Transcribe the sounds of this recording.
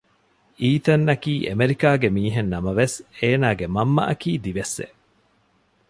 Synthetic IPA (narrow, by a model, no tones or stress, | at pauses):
iːt̪ɐnːɐkiːʔemeɾikaːɡemiːɦenːɐmɐʋeseːnaːɡemɐmːɐ̰ʔɐkiːd̪iʋesːḛʔ